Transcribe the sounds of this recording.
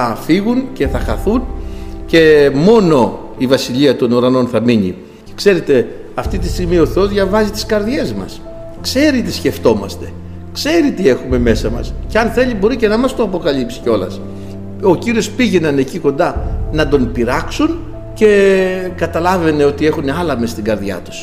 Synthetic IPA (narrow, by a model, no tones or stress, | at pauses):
ɐfiɣunce̞θɐxɐθunce̞mo̞no̞ | ivɐsiʎiɐt̪o̞nuɾɐno̞nθɐmiɲḭ | ce̥kse̞ɾe̞t̪e̞ | ɐft̪it̪ist̪iɣmio̞θeo̞zðʝɐvɐzit̪i̥skɐɾðʝe̞zmɐ̰s | kse̞ɾit̪isce̞ft̪o̞mɐ̰st̪e̞ | kse̞ɾit̪ie̞xume̞me̞sɐmɐ̰sceɐnθe̞ʎibo̞ɾice̞nɐmɐst̪oɐpo̞kɐlipsi̥ceo̞lɐ̰s | o̞ciɾio̞spiʝe̞nɐne̞ciko̞nd̪ɐnɐd̪o̞npiɾɐksun | ce̞kɐt̪ɐlɐve̞ne̞o̞t̪ie̞xuneɐlɐme̞st̪iɡɐɾðʝɐ̰t̪u̥s